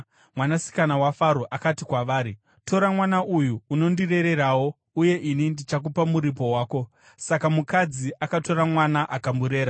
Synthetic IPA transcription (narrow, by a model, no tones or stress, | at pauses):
mwanasi̥kanawafaɾoʔakatikwaʋaːɾi | tʰo̞ɾamwanaʔujuːno̞ndire̞ɾe̞ɾaːwo̞ | uje̞ʔinindit͡ʃak̬upamuɾipo̞waːko̞ | sakamukad͡ziʔakato̞ɾamwanaʔakambuɾe̞ːɾa